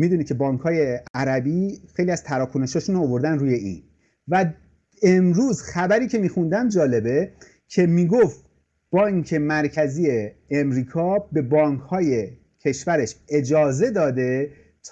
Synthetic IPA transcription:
mid̪uːnit̪̚cʰe̞bɒːŋkʰhɒːje̞æɾæbixe̞jliæz̥t̪ʰæɾɒːkʰone̞ʃɒːʃuːnoovo̞ɾd̪ænɾuːje̞ḭːn | væ | emɾuːzxæbæɾiːcʰe̞miːxund̪æmd͡ʒɒːle̞be̞ | cʰe̞miːɡoft̪ | b̥ɒːŋkʰe̞mæɾcʰæziːe̞ːmɾiːkʰɒːbe̞bɒːŋkʰhɒːje̞ | cʰe̞ʃvæɾe̞ʃe̞d͡ʒɒːze̞d̪ɒːd̪e̞ | t̪ʰ

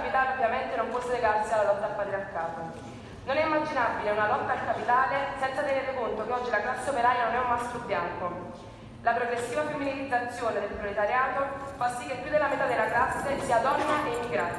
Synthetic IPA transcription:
pit̪aːleovjament̪enompɔsːeleɡarsialːalɔt̪ːaːpːat̪ɾiarkaːza | nonɛimːad͡ʒinabileunalɔt̪ːaːlkapit̪aːlesɛnsat̪eneɾekont̪okeɔd͡ʒːilaklasːeopeɾaːjanonɛumːast̪ɾobːjaŋko | lapɾoɡɾesːiːvafemːinilid̪zat̪sːjoːned̪elpɾolet̪aɾjaːt̪ofasːikːepːjud̪elamet̪ad̪elaklasːesiːad̪ɔnːaʔeimːiɡɾa

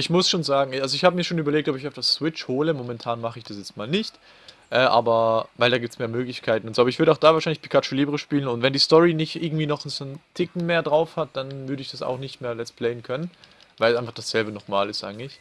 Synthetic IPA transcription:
ʔɪçmʊsʃoːnzaːɡŋ̩alzoɪçhaːbəmiːɐʃoːnyːbɐleːk̚tɔpɪç̬aʊfd̥assw̥ɪt͡ʃhoːləmomɛntʰaːnmaχəɪçd̥asjɛt͡st̚maːlnɪçt | ʔɛːʔa̰ːbɐvaɪldaːɡiptsmeːɐmøːɡlɪçkʰaɪtn̩ʊntzoːaːbɐɪçv̥ʏɐɾəaʊxd̥aːvaːɐʃaɪnlɪçpi̥kʰat͡ʃoliːbəʁəʃpiːlənʊntvɛndiːstɔʁinɪçtʔɪɐɡŋ̩tv̥iːnɔχnsontʰɪkŋ̩meːɐdʁaʊfhat̚d̥anvʏɐɾəɪçd̥asa̰ʊxnɪçtmeːɐjɛstpʰl̥ɛɪənkʰœnən | vaɪlsʔaɪnfaχd̥asz̥ɛlbənɔχmaːlɪstʔa̰ɪɡŋ̩tlɪç

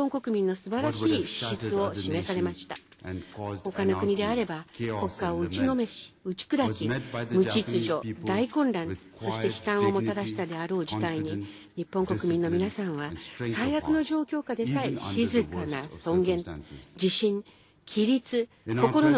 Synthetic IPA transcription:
õ̞ŋko̞kɯ̟mʲĩnːo̞sɨbaɾaɕiːɕi̥ɕit͡sɨo̞ɕime̞saɾe̞maɕi̥t̪a | ho̞kano̞kɯ̟ɲ̟id̪e̞aɾe̞bako̞kːaoɯ̟t͡ɕino̞me̞ɕɯt͡ɕi̥kɯ̟ɾakʲimɯ̟t͡ɕit͡sɨʑo̞d̪aikõ̞nɾãn | so̞ɕit̪e̞çʲi̥t̪ãɰ̃o̞mo̞t̪ad̪aɕi̥t̪ad̪e̞aɾo̞ːʑit̪aiɲ̟i | ɲ̟ipːõŋko̞kɯ̟mʲĩnːo̞mʲinasãɰ̃βasaiakɯ̟no̞ʑo̞ːkʲo̞ːkad̪e̞saiɕizɨkanasõ̞ŋɡẽ̞d͡ʑiɕĩŋ | kʲʰiɾʲit͡sɨ | ko̞ko̞ɾo̞n

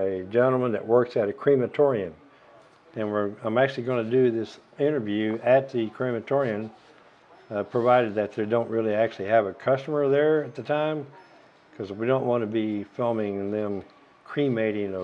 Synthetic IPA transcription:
ɨd͡ʒɛ̃nl̩ˠmə̃nðɨ̰ʔ̚wɜ˞ksɨɾɨkʰɹ̥ĩmɨtʰɔɹiɨ̃n | ɨ̃nwɪɹãɪ̃mæk̚t͡ʃʉl̩ˠiɡʌnɨdɨðɪsɪ̃ɾ̃ə˞vjʉɨt̪̚ðɨkʰɹ̥imɨtʰɔɹiɨ̃n | pʰɹ̥ɨvaɪɾɨd̪̚ðɨt̪̚ðə˞dõʊ̃nʔ̚ɹɪlˠiæk̚t͡ʃʉl̩ˠiɨvɨkʰʌstəmə˞ðə˞ɨt̪̚ðɨtʰãɪ̃m | kʰʌzwidõʊ̃nʔwɑ̃nɨbifɪlˠmɪ̃ŋðɨ̃m | kʰɹ̥ĩmeɪɾɪ̃ŋ

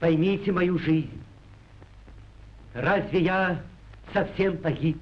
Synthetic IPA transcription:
pɐjmʲitʲɪmɐjuʐɨzʲnnʲ | razʲvʲeja | sɐfsʲempɐɣʲip

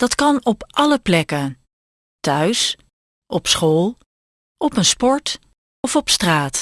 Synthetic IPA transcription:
d̥ɑtkɑnɔpʔɑləplɛkən | tœɥs | ʔɔpsχoːlˠ | ʔɔpənspɔɹt | ɔfɔpstraːt

